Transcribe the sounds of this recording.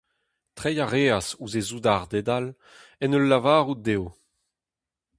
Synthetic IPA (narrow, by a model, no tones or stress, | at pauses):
t̪ʁɛjaʁeːasuzezud̪aʁd̪ed̪al | ɛnəlːavaːʁud̪eo